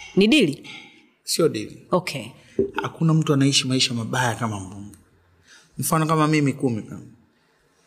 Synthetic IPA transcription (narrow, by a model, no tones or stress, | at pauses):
niɗili | siɔɗḭlḭɔkʰɛ | ha̰kunam̩tuanaiʃamaiʃamaɓajakamam̩buŋɡɛ | m̩fanɔkamamimikumika̰m